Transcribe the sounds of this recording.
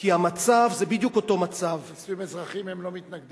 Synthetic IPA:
kihamat͡savzebid̪jukoto̞mat͡savsvimezʁaχimhemlomit̪naɡd

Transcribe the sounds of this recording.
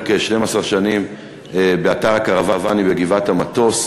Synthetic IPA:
keʃne̞masaʁʃanim | ebeataʁakaʁavavanibeɡivathamato̞s

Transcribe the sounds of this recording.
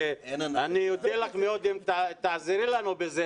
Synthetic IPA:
eanijod̪elaχmeod̪imt̪at̪aːziɾilanubeze

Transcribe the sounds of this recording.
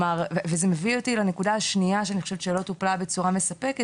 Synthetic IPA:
maʁvezemevio̞tilanekudaaʃniaʃeaniχoʃevʃelo̞t̪uplabe̞t͡suʁamesape̞ke

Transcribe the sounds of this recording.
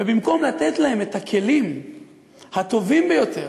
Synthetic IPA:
vebimko̞mlat̪et̪lahe̞me̞t̪akʰe̞lim | hat̪o̞vimbejo̞t̪e̞ʁ

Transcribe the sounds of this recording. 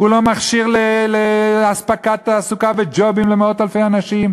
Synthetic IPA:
ulomaχʃiʁleleaspakat̪ːsukabed͡ʒo̞bimlemeo̞t̪alfejanaʃim

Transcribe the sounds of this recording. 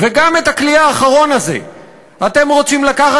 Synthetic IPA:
veɡamet̪akliaːχaʁo̞naze̞̰ | at̪e̞mʁo̞t͡simlakaχa

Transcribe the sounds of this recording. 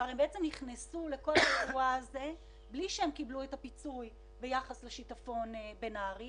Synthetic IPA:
aʁembeet͡se̞mniχnesule̞ko̞lavuaːze̞ | bliʃeemkibluetapit͡suj | be̞jaχasleʃitafo̞nbenaːʁi

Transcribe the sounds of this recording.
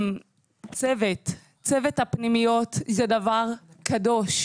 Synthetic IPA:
m | t͡sevet | t͡sevethapnimijo̞t̪zedavaʁkʰado̞ʃ

